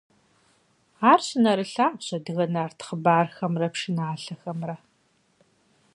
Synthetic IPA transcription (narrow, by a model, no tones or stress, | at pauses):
aːrɕɪnɐɾɨɬaːɕɐdɨɣɐnaːrtʰχəbaːrxɐmrɐpʂɪnaːɬɐxɐmrɐ